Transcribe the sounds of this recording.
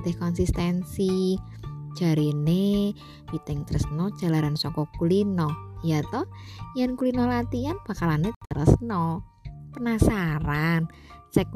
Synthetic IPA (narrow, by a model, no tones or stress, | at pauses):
t̪ɪhkɔnsist̪ɛnsi̥ | d͡ʒ̥a̤ɾine | pit̪ɪŋt̪əɾəsnɔd̥ʒ̥a̤laɾansɔkɔkulinɔjat̪ɔhjɛnkulinɔlat̪ianb̥a̤kalanet̪əɾə̰snɔ | pənasaɾant͡ʃɛk̚